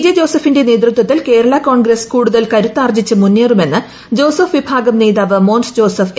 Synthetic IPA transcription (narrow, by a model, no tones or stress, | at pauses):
d͡ʑɐd͡ʑo̞ːsɐfinde̞ne̞ːd̪rut̪ːwɐt̪ːilke̞ːɾɐɭɐko̞ːɳɡɾeskuːɽuðɐlkɐɾut̪ːaːrd͡ʑit͡ɕːɨmunːiːrume̞nːɨ | d͡ʑo̞ːsɐfʋibʱaːɡɐmneːðaːʋɨmo̞ːnsd͡ʑo̞ːsɐf